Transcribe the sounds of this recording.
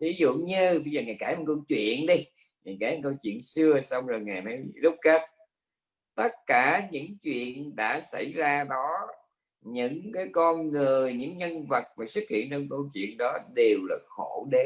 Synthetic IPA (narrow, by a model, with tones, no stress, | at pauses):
t̪ʰi˨˦zṵ˧˨ɲɨ˧ɓə˧jzəː˨˩ŋaː˨˩jkaː˧˩jha˨˩kə˧wt͡ɕwḭ˧˨ənɗi˧ | ŋaː˨˩jkaː˧˩jkə˧wt͡ɕwḭ˧˨ənsɨ˧əsa˧wŋ͡mzo˨˩jŋaː˨˩jnɔ˨˦jzʊ˦˥k͡p̚ke˦˥t̚ | t̪ə˦˥t̚kaː˧˩ɲɨ̰˧˥ŋt͡ɕwḭ˧˨ənɗa̰ː˧˥sa̰˧˩jzaː˧ɗɔ˨˦ | ɲɨ̰˧˥ŋkaː˨˦jkɔ˧nŋɨ˨˩əjɲɨ̰˧˥ŋɲə˧nvə˨˩t̚maː˨˩sɨ˦˥t̚hḭ˧˨ənt͡ɕɔ˧wŋ͡mkə˧wt͡ɕwḭ˧˨ənɗɔ˨˦ɗe˨˩wlaː˨˩xo˧˩ɗe˨˦